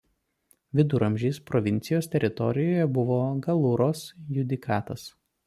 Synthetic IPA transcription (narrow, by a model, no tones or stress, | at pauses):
ʋʲɪd̪ʊɾɐmʲʒʲiːspɾɔʋʲɪnʲt̪sʲɪjoːst̪ʲɛɾʲɪt̪ɔ̰ɾʲɪjoːjɛbʊʋoːɡɐlˠʊɾoːsjʊd̪ʲɪkʰɑːt̪ɐs